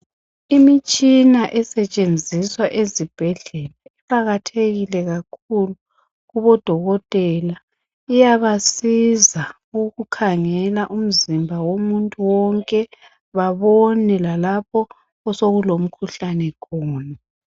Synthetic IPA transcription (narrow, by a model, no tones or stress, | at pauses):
imit͡ʃʼinaʔɛsɛt͡ʃʼend͡zʱiswaʔezib̥ʱɛɮɛlaɛpʼaɣatʰeɣilɛɣakʰulu | ɣuβɔd̥ʱɔɣɔtʼɛla | ijaβasiza | ɣukʰaŋɛlaʔum̩zimbʱawomuntʼuwɔŋkʼɛ | βaβɔnɛlalapʰɔː | soɣulom̩kʰuɬanɛkʰɔːna